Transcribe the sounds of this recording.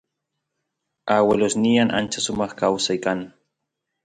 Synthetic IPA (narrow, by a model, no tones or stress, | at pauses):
awelosnianʔa̰nt͡ʃasʊmɑχkawsajkan